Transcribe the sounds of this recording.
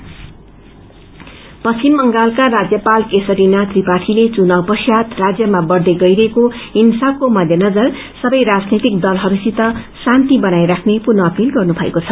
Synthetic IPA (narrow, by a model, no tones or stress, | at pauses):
pʌt͡ʃimːʌŋɡalkaɾad͡zjʌpalkesʌɾinat̪ripaʈʰilet͡sunawpʌsjat̪rad͡zjʌmabʌɽd̪eɡʌjɾʌekoinsakomʌd̪ʱjʌnʌd͡zʌr | sʌbʌjɾad͡znet̪ik̚d̪ʌlɦʌbisit̪ʌsant̪ibʌnajɾakʰnepurnʌːpilɡʌrnubʱʌekot͡sʰʌ